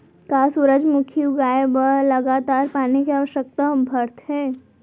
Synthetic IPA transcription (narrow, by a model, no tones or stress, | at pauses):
kasuɾəd͡ʒmʊkʰiuɡaːebələɡaːt̪aːɾpaːnikeaːʋəʃjək̚t̪abʱəɾt̪ɦɛː